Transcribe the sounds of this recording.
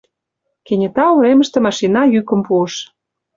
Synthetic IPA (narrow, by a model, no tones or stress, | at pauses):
kenʲĕt̪ɑuɾemə̆ʃt̪ĕmɑʃinɑjykə̆mpuəʃ